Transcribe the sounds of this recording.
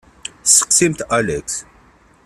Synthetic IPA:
sə̥qsimt̪alɛks

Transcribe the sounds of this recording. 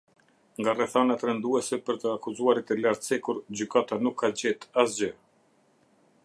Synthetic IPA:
ŋɡarɛθanat̪ɾɛnd̪uɛsɛpəɾt̪əakuzuaɾit̪ɛlaɾt̪sɛkuɾd͡ʑykat̪anukʰːad͡ʑɛt̪asd͡ʑə

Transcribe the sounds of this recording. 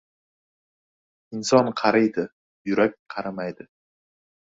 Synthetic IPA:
ɪnsɒnqʰɑɾajd̪ɪ | jʊɾak̚ʲqʰɑɾamajd̪ɪ

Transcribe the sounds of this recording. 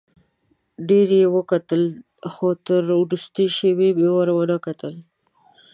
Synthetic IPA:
ɖeɾjewəkat̪əl | xot̪əɾʊɾust̪əʃewebewaɾwanakat̪əl

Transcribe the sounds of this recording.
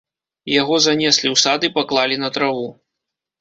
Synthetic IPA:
jaɣɔzanʲɛsʲlʲiwsad̪ɨpaklˠalʲinɐt̪ɾavu

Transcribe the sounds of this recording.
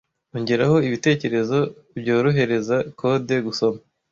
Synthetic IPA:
uɲɟeɾaho̞iβite̞ːce̞ɾe̞zo̞ | bɟoːɾoɦe̞ɾe̞zakʰo̞de̞ɡuso̞ma

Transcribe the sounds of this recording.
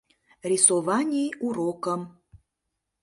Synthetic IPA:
rʲisovɑnʲijuɾokəm

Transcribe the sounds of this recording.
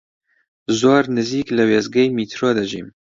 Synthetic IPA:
zoːɾnɨziːklɨweːzɡɛjmiːt̪ʰɾoːd̪ɐʒḭːm

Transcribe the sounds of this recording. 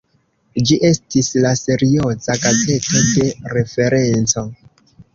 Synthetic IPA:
d͡ʒiʔe̞stislase̞ɾio̞zakate̞to̞de̞ɾe̞fe̞ɾe̞nt͡so̞

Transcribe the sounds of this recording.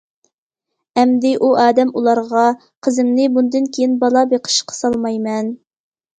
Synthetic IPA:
ɛmd̪ɪʔuʔɑːd̪ɛmulˠɑɾʁɑ | qʰəzɪmnɪbund̪ɨnkʲʰejinbɑlˠɑbeqʰə̥ʃqʰə̥sɑlˠmɑjmɛn

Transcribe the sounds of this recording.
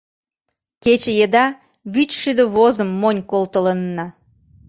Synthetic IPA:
ket͡ɕəjəd̪ɑ | βyt͡ʃʃyd̪ə̆βozəmːonʲkolt̪ələnːɑ

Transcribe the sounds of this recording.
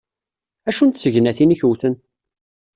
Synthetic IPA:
æʃunt̪səʝnæθiniçuwθən

